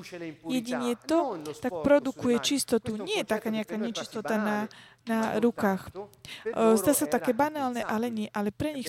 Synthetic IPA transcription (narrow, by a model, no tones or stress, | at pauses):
jɛɟiɲɛt̪ɔt̪ak̚pɾɔd̪ukujɛt͡ʃist̪ɔt̪uɲɪɛjɛt̪akaːɲɛakaːɲɛt͡ʃist̪ɔt̪ana | naɾukaːx | zd̪aːsat̪akɛːbanaːlnɛʔalɛɲɪɛʔalɛpɾɛɲix